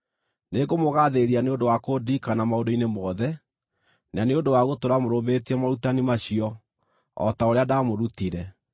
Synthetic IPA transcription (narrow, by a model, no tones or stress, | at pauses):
neɣomoɣaðeɾianeondowakodikanamaondoinemɔðɛ | naneondowaɣotoɾamoɾobetiɛmaɾutanimaɕiɔ | ɔ̰taoɾeadamoɾutiɾɛ